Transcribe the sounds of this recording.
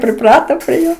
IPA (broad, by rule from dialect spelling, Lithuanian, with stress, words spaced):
pʲrʲɪˈprɑːtoː pʲrʲiɛ ˈjoː